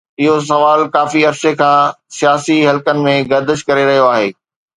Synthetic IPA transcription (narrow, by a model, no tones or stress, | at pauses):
ɪɦos̬ɐʋaːlkaːfiɐɾsekʰãː | sijaːsiɦɐlkənɪ̆mẽɡɐɾd̪əʃkɐɾeɾɐɦijoaːɦeː